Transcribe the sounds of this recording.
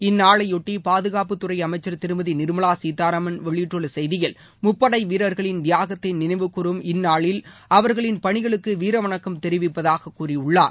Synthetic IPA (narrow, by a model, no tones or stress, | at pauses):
ɪnːaːɭɐɪɔʈːipaːðɯɣaːpɯt̪ʊrɐɪɐmɐɪt͡ʃːɐɾt̪ɪɾɯmɐðinɪɾɯmɐɭaːsiːt̪ːaːɾamɐnʋɛɭɪʈrɯɭɯsɛjðɪjɐl | mʊpːɐɽɐɪʋiːɾɐɾɣɐɭɪnd̪ɪjaːɣɐt̪ːɪnnɪnɐɪʋɯkːʊɾɯmɪnːaːɭɪlɐʋɐɾɣɐɭɪnpɐɳɪɣɐɭɯkːɯʋiːɾɐʋɐɳɐkːɯmt̪ɛɾɪʋɪpːɐðaːɣɐkːuːrɪʊɭːaːɾ